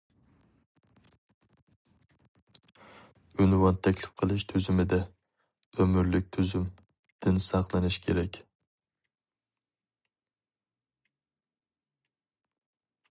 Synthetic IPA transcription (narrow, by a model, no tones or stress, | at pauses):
ʊnvɑnt̪ʰɛkʲlɪ̥pqʰɨlˠɪʃt̪ʰyzɪmɪd̪ɛ | ømɪɾlɪk̚ʲt̪ʰuzym | d̪̥ɪnsɑqlˠɨnɪʃkʲʰeɾɛkʲ